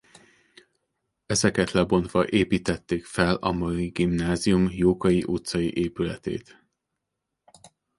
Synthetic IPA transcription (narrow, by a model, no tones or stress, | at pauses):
ɛzɛkɛt̪lɛbo̞n̪t̪ʋɒʔeːpiːt̪ɛt̪ːeːkfɛlɒ̰mɒliɡimnaːzijumjoːkɒjiʔut̪sɒjḭʔeːpylɛt̪ḛːt̪